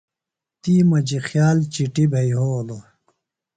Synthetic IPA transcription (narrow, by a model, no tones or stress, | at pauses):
t̪iːmɐd͡ʑixjaːlt͡ɕiʈibʱɐjɦoːlo